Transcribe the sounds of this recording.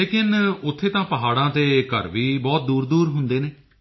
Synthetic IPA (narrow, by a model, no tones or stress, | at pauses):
eːkɪnʊt̪ʰːeːt̪ãːpəɦaːɽãːt̪eːkə̰ɾʋiːbɔːt̪̚d̪uːɾd̪uːɾɦʊnd̪eːneː